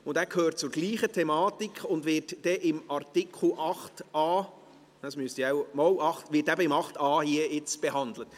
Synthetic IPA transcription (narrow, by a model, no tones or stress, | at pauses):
ʊndæːkʰhøːɾtt͡sʊɾɡ̥liːχətʰɛmɑːtikχʊndʋɪtd̥ɛʔɪmɑrtɪkʰχl̩ʔɑχtɑː | ɑsmyəstjawmɔlɑχtʋɪtæbəɪmɑχtɑːhiəɪt͡sb̥eɦɑnd̪lət